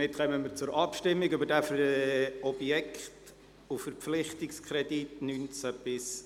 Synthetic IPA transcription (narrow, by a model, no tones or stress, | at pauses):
ɪtχœməmɪɾt͡sʊɾʔɑpʃtɪmːiɡʏbəɾdæf | ɔb̥jɛkχt | ʊfəɾpflɪχtɪkskʰrɛditnynt͡sæb̥ɪs